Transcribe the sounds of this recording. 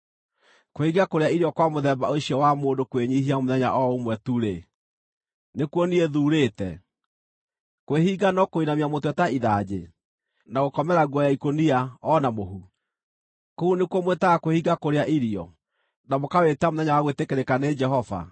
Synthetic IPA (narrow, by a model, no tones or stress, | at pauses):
kohiɡakoɾeaiɾiɔkwamoðɛba̰oɕiɔwamoːndokweɲiɦiamoðɛɲa̰ʔɔomwɛtuɾe | nekwɔnieðuːɾetɛ | kweɦiɡanɔkoinamiamotwɛtaiðad͡ʑḛ | naɣokɔmɛɾaɣwɔjaikoniaɔnamoɦu | kounekwɔmwetaɣakwehiɡakoɾeaʔiɾiɔ̰ | namokawetamoðɛɲawaɣwetekeɾekaned͡ʒɛɦɔva̰